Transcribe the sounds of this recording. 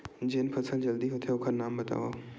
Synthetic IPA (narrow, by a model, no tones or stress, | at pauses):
d͡ʒeːnpʰɐsəld͡ʒɐld̪iɦot̪ʰeʊkʰənnːaːmbɐt̪a̰ːʋoː